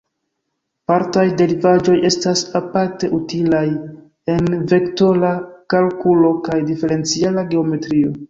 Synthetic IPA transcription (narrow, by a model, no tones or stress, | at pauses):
paɾtajde̞ɾivad͡ʒo̞je̞stasapaɾte̞ʔutilaj | e̞nve̞kto̞lakalkulo̞kajdife̞ɾe̞nt͡sialaɡe̞o̞me̞tɾio̞